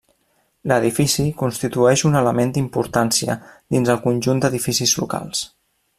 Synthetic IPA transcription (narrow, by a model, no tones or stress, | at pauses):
ləðifisikunst̪it̪uɛʃunələmend̪impuɾt̪ansiə̰d̪inzəlˠkunʲʒund̪əðifisizlṵka̰lˠs